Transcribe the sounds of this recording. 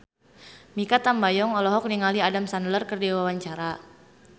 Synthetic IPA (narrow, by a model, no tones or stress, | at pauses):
mikat̪ambajɔŋɔlɔɦɔk̚niŋaliadamsanlərkərdewawaɲt͡ʃaɾa